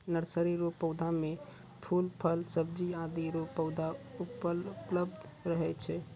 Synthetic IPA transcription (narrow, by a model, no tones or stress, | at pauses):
nəɾsəɾiɾopːəʊd̪ʱame | pʰulpʰəlsəb̚d͡ʒiãd̪iɾopəwd̪ʱaupəlləbd̪ʱɾəɦɛt͡ʃʰɛ